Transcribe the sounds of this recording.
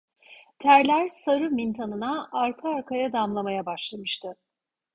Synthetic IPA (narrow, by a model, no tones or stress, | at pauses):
t̪ʰæɾlʲæɾsaɾɯmint̪ʰanɯnaːɾkʰaːɾkʰajad̪amlˠamajabaʃlˠamɯʃt̪ʰɯ